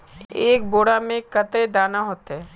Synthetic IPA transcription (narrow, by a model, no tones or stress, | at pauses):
eːk̚boːɽamẽkət̪ed̪aːnaɦoːt̪ɦɛː